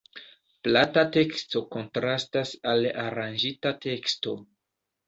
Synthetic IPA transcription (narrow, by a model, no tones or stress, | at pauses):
platate̞ksto̞ko̞ntɾastasalaɾand͡ʒitate̞ksto̞